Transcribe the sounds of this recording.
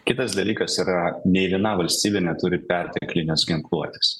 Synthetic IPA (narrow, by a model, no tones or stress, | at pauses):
kʲɪt̪ɐsd̪ɐlʲiːkɐsiːɾɐnʲɛɪʋʲiɛnɑːʋɐlʲsʲt̪ʲiːbʲenʲɛt̪ʊɾʲɪpʲɛɾʲt̪ʲɛklʲɪnʲosɡʲɪŋklˠuɔt̪ʲe̥s